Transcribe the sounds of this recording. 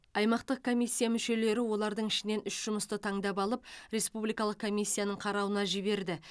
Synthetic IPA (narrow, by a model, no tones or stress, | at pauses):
ɑjmɑqt̪əq̚kʰo̞mʲijsʲːijamʏʃe̞le̞ɾɪwo̞lˠɑɾd̪əɴɪʃɪne̞nʏʃʒ̥ʊməst̪ət̪ʰɑŋd̪ɑp̬ɑlˠəp̚ɾe̞spublijkɑlˠəq̚kʰːo̞mʲijsʲːijanəɴqʰɑɾɑwənɑʒɪβe̞ɾd̪ɪ